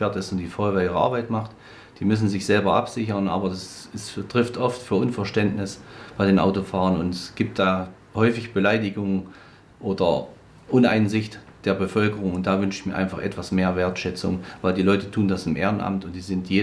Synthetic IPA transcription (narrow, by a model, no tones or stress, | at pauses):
eɐtɪstʊnd̥iːfɔvaiːʁəa̰ɐbaɪtmaχt | d̥iːmʏs̬n̩zɪçz̥ɛlbɐʔa̰pz̥ɪçɐnʔaːbɐdasɪstʁ̥ɪftʔɔftfyːɐʔʊnfɛɐʃtɛndnɪsb̥aɪdeːnʔa̰ʊtofaːʁənʊntɛsɡ̥iːp̚t̚d̥aː | hɔʏfɪçb̥əlaɪdɪɡʊŋ | ʔoːdɐ | ʔʊna̰ɪnzɪçtd̥eːɐbəfœlkəʁʊŋʊnt̚d̥aːvʏnʃɪ̥çmiːɐʔaɪnfaχʔɛ̰tv̥asmeːɐveːɐtʃɛt͡sʊ̰ŋvaɪldiːlɔʏtətʰuːndasɪmʔḛːʁənʔa̰mtʊntd̥iːzɪntjeː